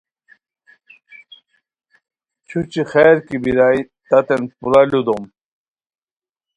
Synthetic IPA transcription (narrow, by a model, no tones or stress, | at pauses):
t͡ɕʰut͡ɕixeːɾkibiɾaːi | t̪ɐt̪enpuɾalud̪om